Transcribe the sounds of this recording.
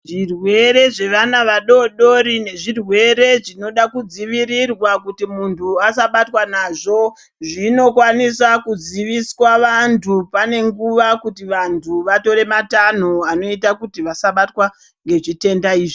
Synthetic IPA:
ʐirwe̞ɾe̞ʐe̞ʋanaʋaɗo̞ɗo̞ɾine̞ʐirwe̞ɾe̞ʐino̞ɗakud͡ziʋiɾirwakutimuntʰuasaɓatwanaʐo̞ | ʐino̞kwanisakud͡ziʋiswaʋantʰupane̞ŋɡuʋakutiʋantʰuʋato̞ɾe̞matan̤oano̞itakutiʋasaɓatwa | ŋɡe̞ʐite̞ndaiːʐi

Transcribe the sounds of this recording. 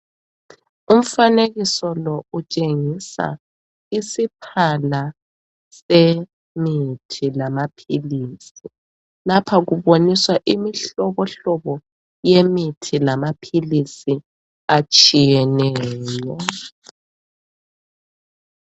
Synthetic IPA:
um̩faneɣisɔlɔut͡ʃʼeŋisa̰ | isipʰala | se | mitʰilamapʰiliːsi | lapʰaɣuβoniswaʔimiɬɔβɔɬɔβɔ | jemitʰilamapʰilisi | at͡ʃʼijɛnɛːjɔ

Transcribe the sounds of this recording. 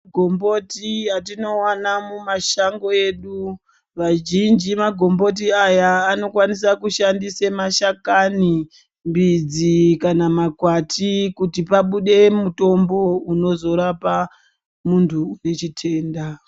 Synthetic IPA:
ɡʱombo̞tijatino̞wanamumaʃaŋɡo̞e̞ːɗu | ʋaʒind͡ʒimaɡʱo̞mbo̞t̬iajaːno̞kwanis̬akuʃandisemaʃakani | mbid͡zikanamakwatikutipaɓuɗe̞muto̞mbouno̞zo̞ɾapa | muntʰuunet͡ʃitʰe̞ːnda

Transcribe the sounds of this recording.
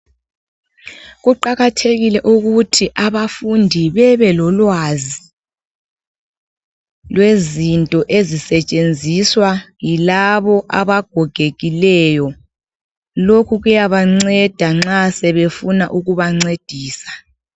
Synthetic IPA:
ɣuǃaɣatʰeɣilɛʔuɣutʰiʔaβafundʱiβɛβɛlɔlwazi | lwezintʼɔʔezisɛt͡ʃʼend͡zʱiswajilaβɔʔaβaɡ̥ʱɔɡ̥ʱeɣilɛjɔ | lokʰuɣujaβaŋ͡ǀɛd̥ʱaŋ͡ǁasɛβefuna̰ʔuɣuβaŋ͡ǀed̥ʱiːsḁ

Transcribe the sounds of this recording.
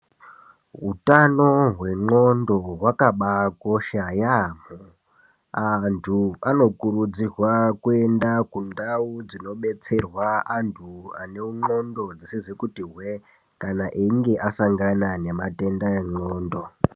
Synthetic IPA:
ɦutanoɦwe̞ŋ͡ǃondo̞ɦwakaɓako̞ʃajamu | antʰuano̞kuɾud͡zirwakue̞ndakundaud͡zino̞ɓe̞t͡se̞rwaantʰuane̞uŋ͡ǃo̞ndo̞d͡zisizikutiɦwe | kanaʔeiŋɡe̞ʔasaŋɡanane̞mate̞ndaeŋ͡ǃoːndo̞

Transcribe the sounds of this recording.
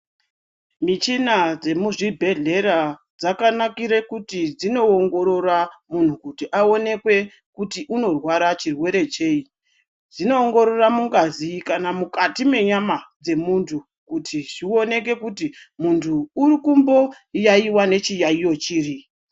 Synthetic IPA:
mit͡ʃinad͡ze̞muʐibʱe̞ɮe̞ɾa | d͡zakanakiɾekutid͡zino̞ːŋɡo̞ɾo̞ramun̤ukutiʔao̞ne̞kwe̞ | kutiʔuno̞rwaɾat͡ʃirwe̞ɾe̞t͡ʃe̞i | d͡zino̞ːŋɡo̞ɾo̞ramuŋɡazikanamukatime̞ɲamad͡ze̞muntʰu | kutʰiʐio̞ne̞ke̞kuti | muntʰuːrikumbo̞ | jaiwane̞t͡ʃijaijo̞t͡ʃiːri

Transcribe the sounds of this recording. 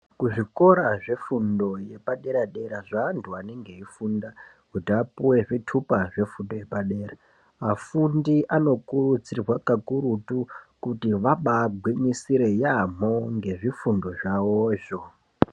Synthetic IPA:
kuʐiko̞ɾaʐe̞fundo̞je̞paɗe̞ɾaɗe̞ɾaʐaːntuane̞ŋɡe̞ifunda | kutiapuwe̞ʐitʰupaʐe̞fundoje̞paɗe̞ːra | afundiʔano̞kurud͡zirwakakuɾutukutiʋaɓaɡʱwiɲisiɾe̞jam̤o̞ŋɡe̞ʐifundo̞ʐawoʒo

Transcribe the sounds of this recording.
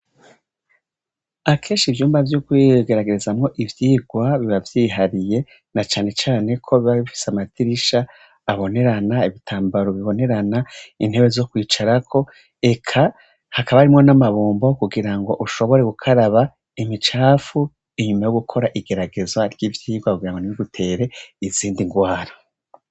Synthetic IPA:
akʰeːnʃivjuːmbavjokwiɡe̞ɾaɡe̞ɾezamŋo̞ʔivjiːɡwaβiβavjiːɦaɾije̞ | nat͡ʃaːne̞t͡ʃaːne̞kʰo̞βiβaβifi̥seamatʰiɾiʃaː | βo̞ne̞ɾanaiβitʰaːmbaɾoβiβo̞ne̞ɾanain̥he̞βe̞zokwiːt͡ʃaɾakʰo̞ | e̞kʰa | hakaβaaɾimŋo̞namaβuːmbo̞kuɡiɾaŋɡo̞ʔuʃo̞βo̞ɾe̞ɡukʰaɾaβa | imit͡ʃaːfu | iɲumajoɡukʰo̞ɾaʔiɡe̞ɾaɡe̞zwaɾɟivjiːɡwakuɡiɾaŋɡoniiɡutʰe̞ːɾe̞iziːndiŋɡwaːɾo

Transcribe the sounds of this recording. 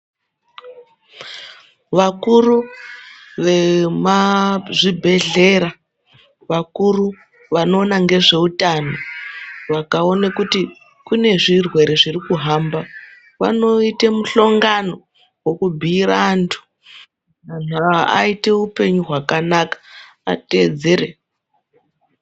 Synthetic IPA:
ʋakuɾu | ʋe̞maʐibʱe̞ɮe̞ɾa | ʋakuru | ʋano̞ːnaŋɡe̞ʐe̞utanoʋakao̞nekuti | kune̞ʐirwe̞ɾe̞ʐirikuɦamba | ʋa̰no̞itemuɬo̞ŋɡano̞ | wokubʱiɾantʰu̥ | man̤uaa̰ite̞upe̞ɲuɦwakanakḁ | a̰te̞d͡ze̞ɾe

